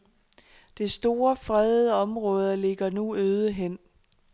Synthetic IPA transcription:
d̥e̝sd̥o̝ːɐfʁɛðˠəɒ̽mʁɔ̽ːð̞ˠɐle̝ɡ̥ɐnuøːð̞ˠəɦen̰

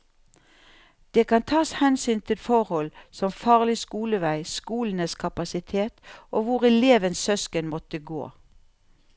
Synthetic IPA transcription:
d̪̥eːkɑnt̪ʰɑːshɛnsyːnt̪ʰɪt̪fɔʁhɔlsɔmfɑːʁlɪskuːləʋæɪskuːln̩əskʰɑpɑsɪt̪ʰeːt̪oːʋʊʁɛleːʋənsœskənmɔt̪əɡo̰ː

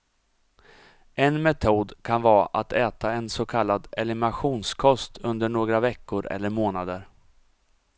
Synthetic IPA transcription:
ɛnmɛt̪ʰuːd̪kʰanvɑːʔat̪ʰɛːt̪aɛnsɔkʰalːad̪ɛlɪmɪnaɧuːnskʰɔst̪ʰɵnd̪əɳoːɡɾavɛkːʊɾɛ̰lːəɾmoːnad̪əɾ

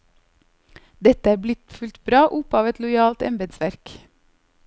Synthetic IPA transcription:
d̪ɛt̪əæːɾblɪt̪fʉlt̪bɾɑːʔʊpɑːʋɛt̪lʊɪɑːlt̪ɛ̰mbeːd̪sʋæɾk

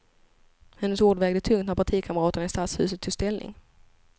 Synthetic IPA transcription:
hɛnːəsoːɖvɛːɡd̪ət̪ʰɵŋt̪̚næɾpʰaʈʰiːkʰaməɾɑːt̪əɳaɪst̪aːt̪shʉ̟̰ːsət̪ʰːɪst̪ɛlnɪ̰ŋ

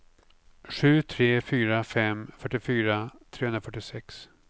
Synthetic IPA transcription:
ɧʉ̟ːt̪ʰɾeːfyːɾafɛmfœʈːɪfyːɾat̪ʰɾeːɵnɾafœʈːɪsɛks

